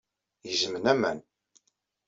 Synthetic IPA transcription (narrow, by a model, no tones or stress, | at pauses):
jəzmənæmæ̰n